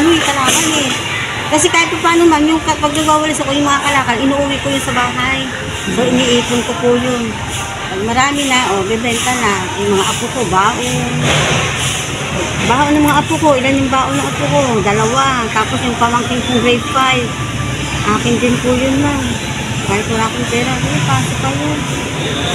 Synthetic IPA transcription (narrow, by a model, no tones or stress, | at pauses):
ʊikɐlaːkanɛ | kɐs̬ɛkaːhɪt̪̚pɐpaːnomamjʊŋkɐpɐɡ̚naɡwaːwɐlɪsakojʊŋmɐŋakɐlaːkanʔɪnuːʔʊwɪkojʊnsɐbaːɦaj | soʔɪniːʔiːpʊnkopʊjon | ɐɡ̚mɐɾaːmɪnaʔobɛdɛnt̪alnajʊŋmɐŋaʔɐpʊkobaːʔo | baːʔonɐŋmɐŋaʔɐpʊkoʔɪlanjʊŋbaːʔonɐʔɐpʊkod̪ɐlɐwat̪aːposjʊŋpamɐŋkɪŋsʊŋdɾejdfaj | ʔaːkɪnd͡ʒ̪ɪnpʊjʊnmaŋ | kaːjɪt̪mʊnaːkɪŋpɛːɾanpaːsopajon